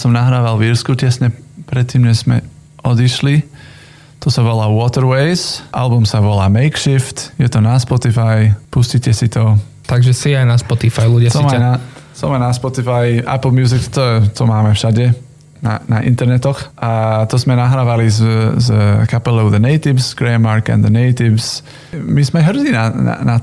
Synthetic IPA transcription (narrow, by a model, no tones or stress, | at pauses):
jasɔmnaɦɾaːʋalviɾskucɛsɲɛpɾɛt̪ːiːmɲɛz̥mɛ̰ | ʔɔd̪iʃli | t̪ɔsaʋɔlaːwɔt̪ɛɾwɛɪzʔa̰lbumsaʋɔlaːmɛɪkʃift̪jɛt̪ɔnaspɔt̪ifajpuscicɛsit̪ɔ | t̪aɡʒɛsiajnaspɔt̪ifajluɟɪat̪ɔimanasɔmɛnaspɔt̪ifaja̰pl̩ˠmjuːzɪkt̪ʰɔɛt̪ʰɔmaːmɛfʃaɟɛ | na̰naʔḭnt̪ɛɾnɛt̪ɔxat̪ʰɔsmɛnaɦɾavalizzəkʰapɛlˠɛwðəneɪt̪ɪvsɡ̥ɾɛmaɾka̰nd̪əneɪt̪ɪvs | mismɛɦrzinana̰na